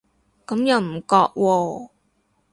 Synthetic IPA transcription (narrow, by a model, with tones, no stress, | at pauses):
kɐ˨˥mjɐ˨wm̩˨˩kɔː˧k̚wʔɔː˧